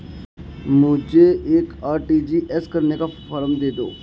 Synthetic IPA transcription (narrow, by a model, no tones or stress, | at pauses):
mʊd͡ʒʱeeːkaːɾʈiːd͡ʒiʔɛskɐɾnekafɐɾəmd̪eːd̪o̰ː